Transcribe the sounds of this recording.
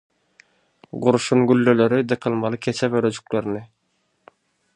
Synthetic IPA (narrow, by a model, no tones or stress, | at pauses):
ɢuɾuʃunɡylːøløɾyd̪ɯqʰɯlˠmɑlˠɯkʲʰet͡ʃʰɛbøɾød͡ʒy̥k̚løɾnɪ